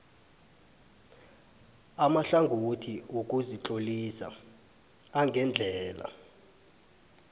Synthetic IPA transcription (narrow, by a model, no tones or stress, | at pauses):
amaɬaŋɡʱotʰiwok̬ʼuzit͡ɬʼolisa̰ː | ŋɡʱɛnd͡ɮʱɛːla̰